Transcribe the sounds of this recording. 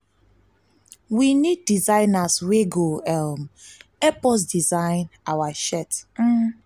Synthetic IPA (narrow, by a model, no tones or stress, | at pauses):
winid̚ːizãɪnasweɡoɛlmɛpɔs̬dizãɪ̃nawaʃɛt̩